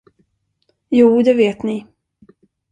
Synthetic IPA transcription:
juːd̪ɛveːt̪nɪ

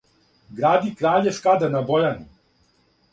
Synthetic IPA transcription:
ɡɾaːd̪ikɾaːʎeʃkad̪anabojani

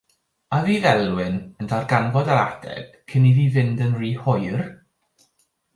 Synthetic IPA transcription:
aðiːvɛlˠwɪnəndarɡanvɔdaɾa̰d̥ɛ̰ɡ̥kʰːɪniðiːvɪndənriːhɔjr

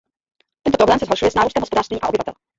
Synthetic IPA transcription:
t̪ɛnt̪ɔpɾɔblɛmsɛzɦɔʂujɛsnaɾust̪ɛmɦɔspɔd̪aɾʂt̪iɲiʔa̰ʔɔbɘvat̪ɛ̰l

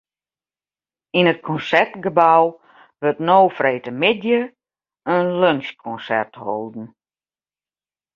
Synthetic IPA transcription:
inət̚kʰɔnsɛrtɡəbaw | ʋøtnoːfreːtəmɪdjə | ənlønskʰɔnsɛ̰rtho̰lˠdn̩

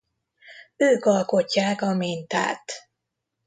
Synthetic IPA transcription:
øːkɒlko̞cːaːkɒmint̪a̰ːt̪

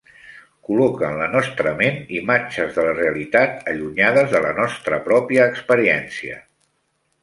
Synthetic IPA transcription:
kulɔkəːnlənɔst̪ɾəmenimad͡ʒəzðələreəlit̪at̪əʎuɲaðəzðələnɔst̪ɾəpɾɔpiəːkspəɾiɛnsiə̰

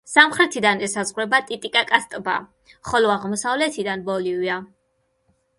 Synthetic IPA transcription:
samχɾɛt̪ʰid̪anɛsazʁɾɛbat̪ʼit̪ʼikʼakʼast̪ʼba̰ | χɔlɔaʁmɔsavlɛt̪ʰid̪anbɔlivia

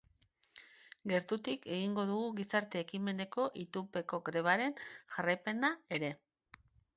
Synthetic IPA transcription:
ɡe̞ɾt̪ut̪ike̞ɣiŋɡo̞ðuɣuɣisaɾt̪e̞ːkime̞ne̞ko̞ʔit̪upe̞ko̞ɡɾe̞β̞aɾe̞nʝarajpe̞nae̞ɾe̞

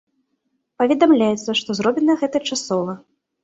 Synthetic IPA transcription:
pɐvʲɛd̪amlʲajɛt̪sːɐʂt̪ɔzɾɔbʲinɐɐɣɛt̪ɐt͡ʂasɔvɐ

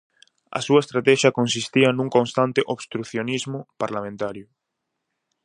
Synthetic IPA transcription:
ɐ̰suɐest̪ɾat̪ɛʃjɐkonsist̪iɐnũŋkõnst̪ant̪ɪʔoβst̪ɾuθjonizmʊpaɾlamẽnt̪aɾjʊ

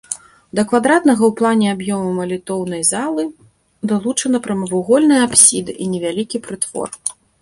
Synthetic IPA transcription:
d̪ɐkvad̪ɾat̪nɐɣɐwplˠanʲɛabjɔmɐmɐlʲit̪ɔwnɐjzalˠɨ | d̪alˠut͡ʂɐnɐpɾɐmɐvuɣɔlʲnɨjapsʲid̪ɨʔinʲɛvʲalʲikʲipɾɨt̪v̥ɔ̰r

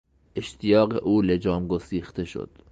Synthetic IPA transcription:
ʔe̞ʃt̪ʰijɒːɢḛʔuːle̞d͡ʒɒːmɡosiːxt̪e̞ʃo̰d̪̥

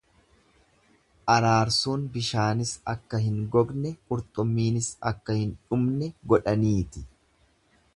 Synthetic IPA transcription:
ʔɐɾaːɾsuːnbɪʃaːnɪsɐkːɐɦɪŋɡɔɡnɛʊɾt̪ʼʊmːiːnɪsɐkːɐhɪnᶑʊmnɛɡɔᶑɐniːt̪ɪ̥

